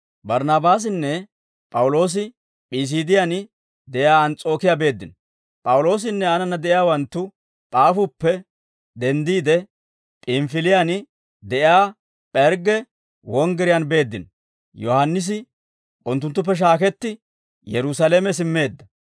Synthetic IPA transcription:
bɐɾnɐbaːs̬ɪnːɛ | pʼɐwʊlo̞ːs̬ɪ | pʼis̬iːd̪ɪjan | d̪ɛʔjaːɐnt͡sʼo̞ːkɪjabe̞ːd̪ːɪn | pʼɐwʊlo̞ːs̬ɪnːɛɐnɐnːɐd̪ɛʔjaːwɐnt̪ːʊ | pʼaːfʊpːɛ | d̪ɛnd̪iːd̪ɛ | pʼɪmfɪlɪjan | d̪ɛʔjaː | pʼɛɾɡɛ | wɔŋɡɛɾɪjanbe̞ːd̪ːɪn | jɔhɐnːɪs̬ɪ | ʔʊnt̪̬ːʊnt̪̬ːʊp̬ːɛʃ̬aːkɛt̪ːɪ | jɛɾʊsɐlemɛs̬ɪmːe̞ːd̪ːɐ

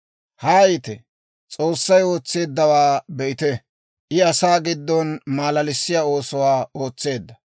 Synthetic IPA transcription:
haːjɪt̪ɛ | t͡sʼo̞ːsːɐjo̞ːt͡sːe̞ːd̪ːɐwaːbɛʔɪt̪ɛ | ʔɪɐsaːɡɪd̪ːɔnmaːlɐlɪsːɪjaːo̞ːsɔwaːo̞ːt͡sːe̞ːd̪ːɐ

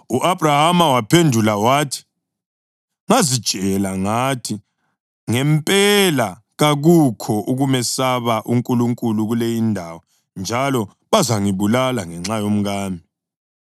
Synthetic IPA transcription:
uʔabrahamawapʰendʱulawaːtʰi̥ | ŋazid̥ʒ̥ʼʱɛlaŋatʰi | ŋɛmpʼɛla | ɣaɣukʰɔʔuɣumɛsaβaʔuŋkʼuluŋkʼuluɣulejindʱawɔ | nd͡ʒʱalɔ | βazaŋiβulalaŋɛŋ͡ǁajom̩ɣaːmʱi

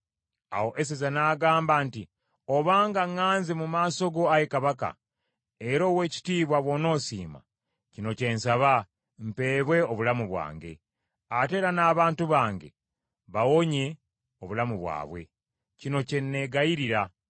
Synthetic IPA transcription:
a̰wo̞ʔe̞s̬ezanaːɡaːmbaːnti | oβaːŋɡaŋːaːnzemumaːso̞ɡo̞ajekaβaka̰ | e̞ɾo̞ːwe̞ːci̥tiːβwaβwo̞no̞ːsḭːma̰ | cino̞ce̞nsaβa | m̩pe̞ːβwe̞oβulamuβwa̰ːŋɡe̞̰ | ate̞ːɾanaːβaːntuβaːŋɡe̞̰ | βawo̞ɲe | oβulamuβwa̰ːβwe̞̰ | cino̞ce̞nːe̞ɡajiɾiɾa

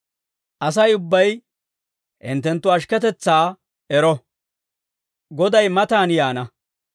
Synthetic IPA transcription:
ʔɐs̬ɐjʊbːɐj | ʔɪ̰nt̪ːɛnt̪ːʊɐʃ̬kɛt̪ɛt͡sːaː | ɛɾɔ | ɡɔd̪ɐjmɐt̪aːnjaːnɐ

